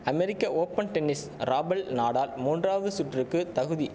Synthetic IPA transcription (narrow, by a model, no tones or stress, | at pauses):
ɐmɛɾɪkːɐʔoːpɐnʈɛnːɪs | ɾaːbɐɭnaːɽaːlmuːndraːʋɐðɯsʊʈːrɯkːɯt̪ɐɣɯði